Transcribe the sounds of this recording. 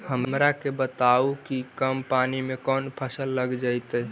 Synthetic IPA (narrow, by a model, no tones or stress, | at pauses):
həmmɾakebət̪aukikəmpanimekɔnpʰəsəlːəɡd͡ʒajt̪ə